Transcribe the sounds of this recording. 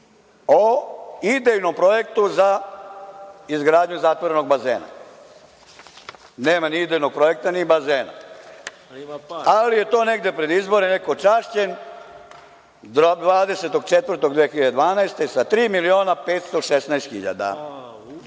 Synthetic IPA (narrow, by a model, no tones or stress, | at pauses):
oid̪ejnompɾo̞je̞kt̪uza | izɡɾaːd̪ɲuzat̪ʋoɾenoɡ̚bazeːna̰ | neːmaniid̪ejnoɡ̚pɾo̞je̞k̚t̪anibazeːna̰ | alije̞t̪o̞ːne̞ɡd̪epɾe̞d̪izbo̞ɾenekot͡ʃaʃt͡ɕen | d̪ʋaːd̪e̞se̞t̪o̞ɡt͡ʃet̪ʋər̩t̪oɡd̪ʋeexiʎad̪e̞d̪ʋaːnajst̪esat̪ɾiːmilio̞ːnapeːt̪st̪o̞ʃesnaest̪xḭʎa̰d̪a̰